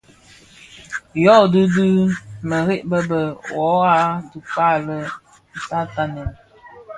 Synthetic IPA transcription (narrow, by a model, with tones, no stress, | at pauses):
jɔ˦˨dɨ˦du˦mə˨ɾi˦ʔbə˦bə˨wɔ˨˦a˦du˨ka˦lə˦˨ | sa˦ta˨nɛ˨n